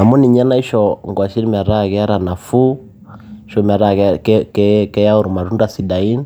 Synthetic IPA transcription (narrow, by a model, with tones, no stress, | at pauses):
a˨mɔ˦ni˨ɲa˦na˦i˦ʃɔŋɡwa˨ʃi˦ɾi˦ma˨ɾa˦kɛ˦a˦ɾana˨fu˦ | ʃɔ˦m˨a˨ɾa˨kkɛkɛ˦ja˦u˨ɾu˨ma˨ɾu˦nda˨si˨da˨i˦n